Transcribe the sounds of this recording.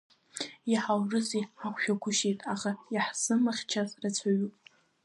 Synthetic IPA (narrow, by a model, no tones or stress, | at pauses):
aħawrɨziakʷʰʃᶣakʷʰʊʃitʼaχaiħzɨmaχʲt͡ʃʰazrat͡sʷʰaɥupʼ